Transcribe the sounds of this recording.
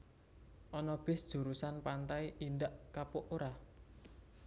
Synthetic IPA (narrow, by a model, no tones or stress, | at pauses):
ʔɔnɔb̥ɪ̤sd̥ʒ̥ṳɾusanpant̪aiʔind̪aʔkapʊʔoɾa